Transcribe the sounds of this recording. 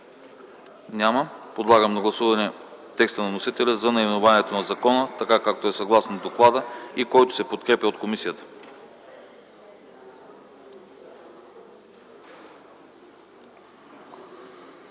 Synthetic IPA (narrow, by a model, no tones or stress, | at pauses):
nʲaməpod̪lˠaɡəmnɐɡlˠɐsuvɐnɛt̪ːɛkst̪ənɐnosit̪ɛlʲəzɐnɐimɛnʊvaniɛt̪onɐzɐkɔnət̪ɐkakak̚t̪oɛsɐɡlˠasnod̪oklˠad̪əikɔjt̪o̥sɛpot̪kɾɛpʲəot̪komisijət̪ə̥